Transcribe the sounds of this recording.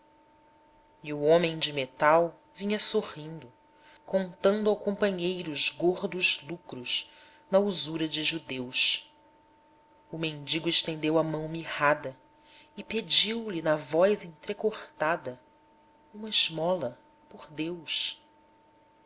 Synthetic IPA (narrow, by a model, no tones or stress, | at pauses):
iuõmẽj̃d͡ʒɪmet̪aw | vĩɲɐsohĩnd̪ʊ | kõnt̪ɐ̃nd̪uawkõpɐ̃ɲejɾʊʊʒɡoɾd̪ʊzlukɾuʃ | nɐuzuɾɐd͡ʒɪʒud̪ews | umẽnd͡ʒiɡʊɪʃt̪ẽnd̪ewɐmɐ̃w̃mihad̪ɐ | ɪped͡ʒiwlinɐvɔjzẽj̃t̪ɾekoχt̪ad̪ɐ | ũmɐɪʒmɔlɐ | poɾd̪ews